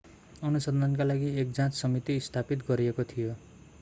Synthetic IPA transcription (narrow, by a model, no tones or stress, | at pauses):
ʌnusʌnd̪ʱank̬alaɡiek̚d͡zãt͡ssʌmit̪iːst̪ʰapit̪ɡʌɾiekot̪ʰijo